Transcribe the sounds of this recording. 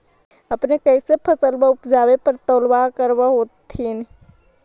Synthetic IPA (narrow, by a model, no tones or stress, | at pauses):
əpnekəɪsepʰəsəlbaʊpd͡ʒaːwepəɾt̪oːlwakəɾwaɦoːt̪ʰin